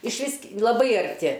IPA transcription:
ɪʃʲˈʋʲɪs k lˠɐˈbɐɪ ɐrʲˈtʲɪ

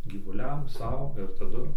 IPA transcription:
ɡʲiːʋʊˈlʲɛm ˈsɐʊ ɪr tɐˈdʊ

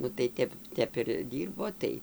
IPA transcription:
nʊ tɐɪ ˈtʲɛp ˈtʲɛp ɪr ˈdʲiːrboː ˈtɐɪ

